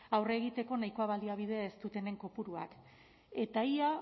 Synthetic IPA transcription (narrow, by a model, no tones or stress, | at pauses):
awre̞ːɣ̞it̪e̞ko̞najko̞aβald̪iaβ̞ið̞e̞ae̞st̪ut̪e̞ne̞ŋko̞puɾua̰k | e̞t̪aia